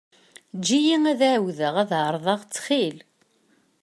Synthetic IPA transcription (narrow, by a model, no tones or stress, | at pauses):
d͡ʒːijiŋæðaʕwðəʁæðʕəɾˤðˤɑʁt͡sːχil